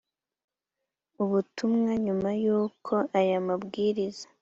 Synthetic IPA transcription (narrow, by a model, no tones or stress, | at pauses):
uβutumŋaɲumajuːkʰo̞ʔajamabɡiːɾizḁ